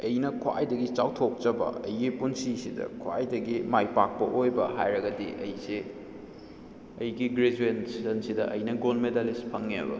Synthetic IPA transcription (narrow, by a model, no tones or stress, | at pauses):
ɐjnɐkʰwa̰jdɐɡit͡ʃawtʰok̚t͡ʃɐbɐ̰ɐ̰jɡipunsisidɐ̰kʰwa̰jdɐɡimajpak̚pɐʔojbɐ̰ɦajɾɐɡɐdiʔɐjse | ɐjɡiɡɾed͡ʒuensizɐnsidɐʔɐjnɐɡolmedalispʰɐŋːebɐ̰